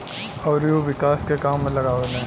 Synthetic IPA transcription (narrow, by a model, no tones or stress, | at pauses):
ɔːɾjoʋɪkaːskekaːmlɐɡaːʋenẽː